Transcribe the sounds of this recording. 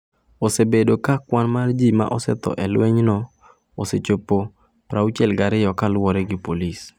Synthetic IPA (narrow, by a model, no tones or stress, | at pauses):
osebedokakwanmard͡ʒima̰ʔɔsɛ̰t̪ɔ̰ʔɛlweɲnɔ | oset͡ʃopo | pɾaut͡ʃɛlɡaɾɪjɔkalwɔɾɛɡɪpolis